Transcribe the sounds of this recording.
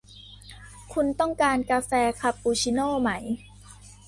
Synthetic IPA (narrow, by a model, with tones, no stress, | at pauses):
kʰu˧nt̪ɔ˥˩ŋkaː˧nkaː˧fɛː˧kʰa˧p̚ːuː˧˩t͡ɕʰi˧˥noː˥˩ma˦˥j